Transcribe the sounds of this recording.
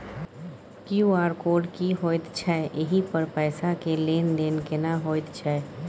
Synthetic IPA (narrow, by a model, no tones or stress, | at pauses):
kjuaːɾkoːɖkiɦoːjt̪t͡ʃʰɛʔɪɦipəɾpɛːsakeleːnleːnkɪnaɦoːt̪t͡ʃʰɛ